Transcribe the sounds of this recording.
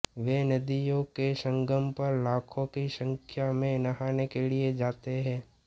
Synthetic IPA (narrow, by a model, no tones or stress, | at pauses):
ʋenɐd̪ijõkesə̃ŋɡʱəmpɐɾlaːkʰõkisə̃ŋkʰjamẽnɐɦaːnekelied͡ʒaːt̪eɦɛ̃ː